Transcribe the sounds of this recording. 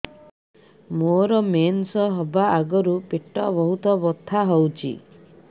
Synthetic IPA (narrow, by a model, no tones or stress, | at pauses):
moɾɔmensɔɦɔbaaɡɔɾupiʈːɔbɔɦut̪ɔbɔt̪ʰːaɦɔwt͡ʃʰḭ